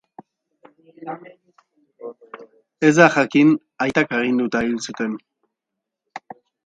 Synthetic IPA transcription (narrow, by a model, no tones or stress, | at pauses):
e̞zd̪axakin | ajt̪akeɣ̞ind̪ut̪ailsut̪e̞n